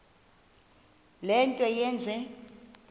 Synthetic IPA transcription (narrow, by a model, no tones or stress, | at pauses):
lɛntʼɔjɛːnd͡zʱɛ